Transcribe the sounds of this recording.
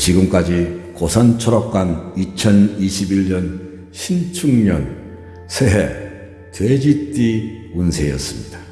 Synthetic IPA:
t͡ɕiɡɯmk͈ad͡ʑikosʰant͡ɕʰoɾʌp̚k͈anit͡ɕʰʌniɕʰibiʎɲʌn | ɕʰimt͡ɕʰuŋɲʌn | sʰeɦḛ | twed͡ʑit͈iunsʰe̞jʌ̰s͈ɯmɲidḁ

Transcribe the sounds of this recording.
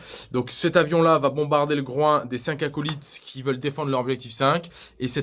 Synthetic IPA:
d̪ɔ̃ksɛt̪avjɔ̃lavabɔ̃baʁd̪eləɡʁwɛ̃d̪esɛ̃kakɔlit̪kʲʰivœld̪efɑ̃d̪ʁləʁɔbʒɛk̚t̪ifsɛ̃kʲesɛ

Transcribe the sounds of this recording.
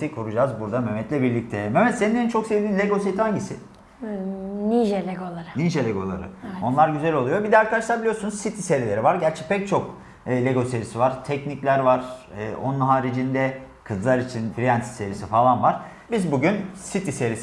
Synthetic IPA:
ikʰuɾud͡ʒazbuɾd̪amømɛt̪lʲɛbiɾlʲic̚t̪ʰɛmømɛt̪seninʲːeɾint͡ʃʰo̞ksevd̪iːnlʲeɡo̞set̪ihaɲɟisɪ | niʒelʲeɡolˠaɾɯniʒelʲeɡo̞̰lˠa̰ɾɯ̰o̞nlˠaɾɟyzælʲo̞lˠujo̞bid̪ɛaɾkad̪aʃlˠaɾbilʲijoɾsunuzsit̪ʰise̞ɾilʲe̞ɾivaɾɟæɾt͡ʃʰɛ̥pʰɛc̚t͡ʃʰo̞kː | lʲeɡo̞seɾisivaɾ̥t̪ʰɛcniclʲæɾvaɾ̥ɯːʔo̞̰nunɦaːɾid͡ʒind̪ɛ | kʰɯzlˠaɾit͡ʃʰinfɾijant̪ʰi̥seɾisifalˠanvaɾ̥ | bizbuɟynsit̪ʰise̞ɾis

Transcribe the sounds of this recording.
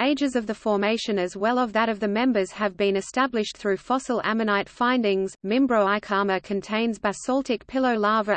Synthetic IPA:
eɪd͡ʒɨzʌvðɨfɔɹmeɪʃɨ̃nɨzwɛlˠʌvðɨɾʌvðɨmɛ̃mbə˞z̥ɨvbĩnɨstæblɨʃθɹʉfɑsl̩ˠæ̰mɨnaɪtfãɪ̃ndɪ̃ŋzmɪ̃mbɹəʊaɪkʰɑɹməkʰɨ̃ntʰẽɪ̃nzbæsɔlˠtɨkpʰɪlˠoʊlɑɹvə

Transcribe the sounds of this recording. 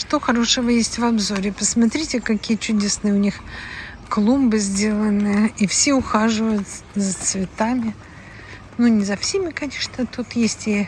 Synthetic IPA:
ʂt̪oxɐɾo̞ʂɨvəjesʲtʲvɐbzo̞ɾʲɪpəsmɐt̪ɾʲitʲɪkɐkʲijət͡ɕʉdʲe̞snɨjəʊnʲix | klˠumbɨzʲdʲelˠənɨifsʲeʊxaʐɨvəjʊt̪zət̪svʲɪt̪amʲɪ | nunʲɪzɐfsʲemʲɪkɐnʲeʂnət̪ut̪jesʲtʲɪ

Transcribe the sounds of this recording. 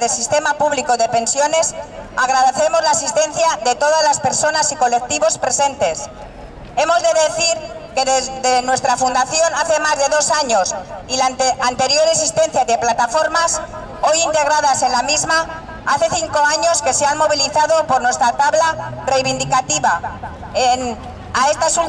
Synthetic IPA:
ðelsist̪e̞mapuβlikoðe̞pe̞nsjo̞ne̞saɣ̞ɾaðeθe̞mo̞zlaːsist̪ẽ̞n̟θjaðe̞t̪o̞ðazlaspe̞ɾso̞nasiko̞le̞k̚t̪iβo̞spɾe̞se̞nt̪e̞s | e̞mozðe̞ðe̞θiɾkeðeðenwe̞st̪ɾafund̪aθjo̞naθe̞mazðe̞ðo̞saɲo̞silaant̪e̞ɾjo̞ɾesist̪e̞n̟θjaðe̞plat̪afo̞ɾmas | o̞jint̪e̞ɣ̞ɾaðase̞nlamizma | aθe̞θiŋko̞aɲo̞ske̞seanmo̞β̞iliθaðo̞po̞ɾnwe̞st̪ɾat̪aβlare̞jβind̪ikat̪iβa | en | aest̪asu

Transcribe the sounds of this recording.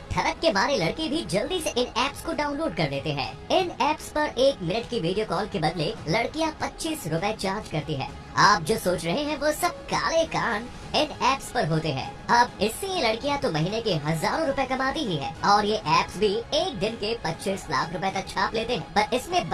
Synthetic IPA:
ʈ̪ʰɐɾəkːemaːɾelɐɽkebʱid͡ʒɐld̪isʔɪnɛːpskoɖaːʊ̃nloːɖkɐɾd̪eːt̪eɦɛ̰̃ː | ɪnɛːpspɐɾʔeːkmɪnəʈkiʋiːɖijokɔːlkebɐd̪lelɐɽkijapɐtːʃiːsɾʊpɛet͡ʃaːɾd͡ʒkɐɾt̪iɦɛ̰ː | aːp̚d͡ʒoːsoːt͡ʃɾɐɦeɦɛ̃ʋoːsɐb̚ka̰ːlekaːn | ɪnɛːpspɐɾɦoːt̪eɦɛ̰̃ːɐbɪsːejelɐɽkijat̪omɐɦiːnekeɦɐzaːɾõɾʊpɛkɐmaːt̪iɦiɦɛ̰ːɔːɾjeʔɛːpsbʱieːk̚d̪ɪnkepɐtːʃiːsla̰ːkʰɾʊpet̪ɐk̚t͡ʃʰaːpleːt̪eɦɛ̃ːpɐɾɪsmẽb

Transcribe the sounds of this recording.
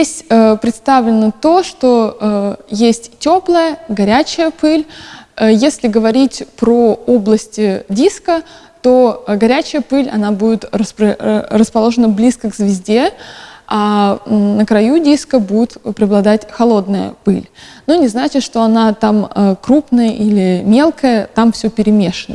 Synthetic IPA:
esʲtʲəpɾʲɪt̪st̪avlʲɪnət̪o̞ʂt̪o̞əjesʲtʲtʲo̞plˠəjəɡɐɾʲæt͡ɕɪjəpɨlʲəjesʲlʲɪɡəvɐɾʲitʲpɾoo̞blˠəsʲtʲɪdʲiskə | t̪o̞ɡɐɾʲæt͡ɕɪjəpɨlʲɐ̰nabudʲɪt̪rəspɾərəspɐlˠo̞ʐənəblʲiskəɡzvʲɪzʲdʲe̞a | nəkɾɐjudʲiskəbudʲɪt̪pɾʲɪɐblˠɐd̪atʲxɐlˠo̞d̪nəjə̰pɨlʲnonʲɪznat͡ɕɪt̪ʂt̪o̞ɐnat̪aməkɾupnəjəʔilʲɪmʲe̞lˠkəjət̪amfsʲɵpʲɪɾʲɪmʲe̞ʂənə

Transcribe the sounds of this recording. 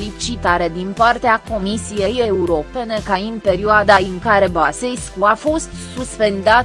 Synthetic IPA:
lit͡ʃit̪aɾe̞d̪inpart̪eako̞misije̞je̞uɾo̞pe̞ne̞kaɨnpe̞ɾioad̪aɨŋkaɾe̞base̞jskuafo̞st̪suspe̞nd̪at̪

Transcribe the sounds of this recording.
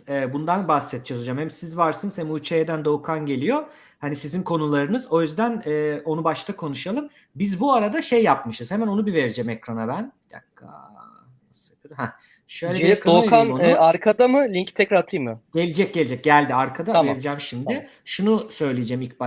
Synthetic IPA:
ɛːbund̪anbasːɛt̪̚d͡ʒɛsod͡ʒamhɛmsizvaɾsɯnɯzhɛmuːt͡ʃʰejed̪ænd̪o̞kʰanɟe̞lʲijo̞ | hanisizinkʰo̞nulˠaɾɯnɯzo̞jyzd̪ænɛːo̞nubaʃt̪ʰakʰo̞nuʃalˠɯm | bizbuaɾad̪aʃejːapmɯʃɯz̥hemæno̞nubive̞ɾid͡ʒɛmekɾanabænd̥̪a̰kʰːa̰ | jasapʰɯɾhæ | ʃøjlʲɛiɾokʰannɛaɾkʰad̪amɯlʲiɲct̪ʰɛcɾaɾt̪ʰɯjmɯɟ̥e̞lʲid͡ʒɛc̚ɟe̞lʲid͡ʒɛc̚ɟælʲd̪iaɾkʰad̪aveɾid͡ʒɛːmʃimd̪ɪ | ʃunusø̞jlʲijd͡ʒɛmic̚b

